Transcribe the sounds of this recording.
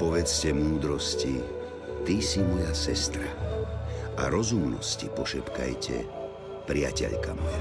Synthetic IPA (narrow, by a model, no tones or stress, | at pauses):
pɔʋɛt͡scɛmuːd̪ɾɔsci | t̪isimɔjasɛst̪ɾa | aɾɔzumnɔ̰scḭpɔʃɛpka̰jcɛ̰ | pɾɪa̰cɛ̰ʎkamɔja